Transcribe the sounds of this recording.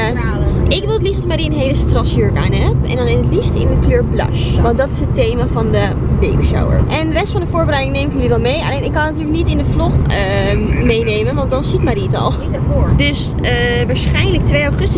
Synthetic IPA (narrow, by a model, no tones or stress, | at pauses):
ɪkʋɪlˠətlistdɔtmaːɾiənɦejləstrɑsjøɹka̰ːnɦɛp̚ɛ̰ndɑnɪnətlistɪ̰ndəkløːɹblɑ̰ʃʋɑntdɑtɪ̥sɦətejmavɑndə | bḛːbiʃa̰wə̰ɹʔɛnndərɛstfɑndəfʊːɹbəɾɛjdɪŋnejmɪkjəliʋɛlˠmeja̰lejnɪkːɑnatyːɹlək̚nitɪndəflɔχəmejnejmənʋɑntdɑnsitmaːɾiətɔ̰lˠ | døs | ʋaːɹsχɛjnlək̚tʋejaχəstə